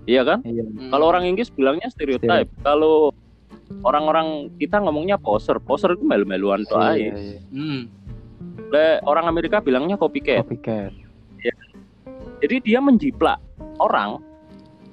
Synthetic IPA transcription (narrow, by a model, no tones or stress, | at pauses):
ijakanakaloːɾaŋiŋɡɪsəb̥ilaŋɲast̪eɾiot̪ajp̚kalo | oɾaŋoɾaŋkit̪aŋɔmɔŋɲapɔsərpɔsərit̪umalumbaluant̪ɔʔa̰i | lɛoɾaŋameɾikab̥ilaŋɲakopikɛ | ja | d͡ʒadidiaməɲd͡ʒipla̰ʔoɾa̰ŋ